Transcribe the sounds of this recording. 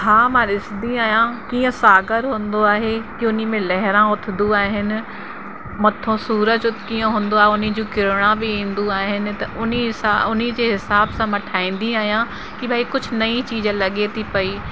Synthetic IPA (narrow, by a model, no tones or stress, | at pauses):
ɦaːmãɾɪsd̪ĩaːɦijãkiːə̃saːɡəɾɦũːnd̪oaːɦekiʊnimẽlɛɦɪɾãʊt̪ʰɪnd̪uaːɦɪnɪ̆ | mɐt̪ʰõsuːɾəd͡ʑʊt̪kiːə̃ɦũːnd̪oaːɦeʊnid͡ʑũːkɪɾɪɽ̃ãbɪĩːn̆d̪uaːɦɪnɪ̆t̪ɐʔʊnisaʊnid͡ʑeːɦɪsaːbsãmɐʈʰaːĩːn̆d̪iaːɦijã | kibʱaːikʊd͡ʑʱʊnɐĩt͡ɕiːd͡ʑə̃lɐɠet̪ʰipɐiː